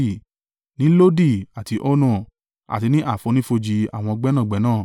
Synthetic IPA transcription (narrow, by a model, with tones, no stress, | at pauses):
nĩ˦lo˦di˦˨a˨ti˧ʔɔ˦nɔ̃˦˨ | a̰˨ti˧nĩ˦ʔa˦˨fo˨˧nĩ˦fo˧d͡ʒi˧a̰˨w̃ɔ̃˧ɔ˧ɡ͡bɛ˦nã˦˨ɡ͡bɛ˨˦nãː˦˨